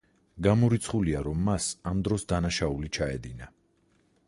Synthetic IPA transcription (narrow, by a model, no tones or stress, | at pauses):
ɡamɔɾit̪sʰχuliaɾɔmːasamd̪ɾɔsd̪anaʃaulit͡ʃʰaɛd̪ina